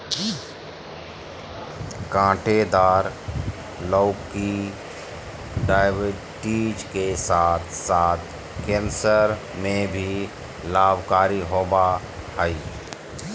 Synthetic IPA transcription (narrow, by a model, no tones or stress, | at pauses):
kãːʈed̪aːɾ | ləʊkːi | ɖaːɪʋə | ʈiːd͡ʒkesaːt̪ʰsaːt̪̚ʰ | kɛ̃ːnsəɾ | mẽbʱi | laːbʱkaːɾiɦoːba | həi